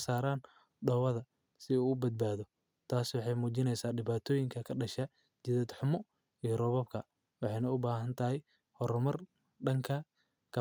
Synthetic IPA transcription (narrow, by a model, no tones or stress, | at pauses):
saːɾaːn | ɖɔːwɐðɐ | sɪuːʊbɐd̪̚baːðɔ | t̪ʰaːswɑħɑjmuːt͡ʃɪnɛjsaːɖɪβaːt̪ʰɔːjɪŋkʰɐkʰɐɖɐʃɐ | t͡ʃɪðɐd̪ħʊmɔ | ijɔrɔβɔbkʰɐ | wɑħɑjnɐʊbaːɦɐnt̪ʰɐɦɛj | hɔɾmɐr | ɖɐŋkʰɐ | kʰɐ